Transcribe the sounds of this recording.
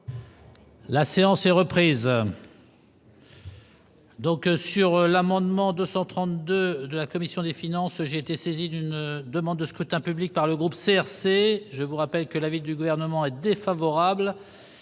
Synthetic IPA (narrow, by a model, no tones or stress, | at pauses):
laseɑ̃sɛʁəpχiz | d̪ɔ̃ksyʁlamɑ̃d̪mɑ̃d̪øsɑ̃t̪χɑ̃t̪d̪ød̪əlakɔmisjɔ̃d̪efinɑ̃sʒeːt̪esezid̪ynd̪əmɑ̃d̪ːəskχyt̪ɛ̃pyblik̚paʁləɡʁupseɛʁseʒəvuʁapɛlkəlavid̪yɡuvɛʁnəmɑ̃ɛd̪efavɔʁabl